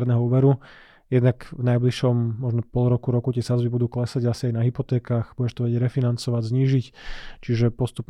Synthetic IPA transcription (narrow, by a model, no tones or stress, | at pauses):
ɾnɛɦɔuːʋɛɾu | jɛd̪nakvnajbliʃɔmːɔʒnɔpɔlɾɔkuɾɔkut̪ɪɛsazbibud̪uːklɛsaɟasiajnaɦipɔt̪ɛːkaːɣb̥uɟɛʃt̪ɔʋɛɟɛɟɾɛfinant͡sɔʋaɟzɲiːʒict͡ʃiʒɛpɔst̪up